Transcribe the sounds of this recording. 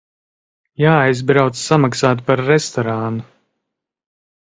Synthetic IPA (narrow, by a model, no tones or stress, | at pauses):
jaːajzbɾawt̪ssamaksaːt̪̬paɾːɛst̪ɔɾanu